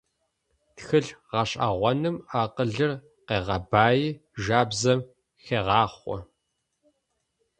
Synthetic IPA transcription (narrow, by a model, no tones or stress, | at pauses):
txɨɮʁɑɕʼa̰ʁʷɔnɨmaːqəɮɨr | qeːʁɐbaːjiʒaːbzɐm | xeːʁɑːχʷɔ̰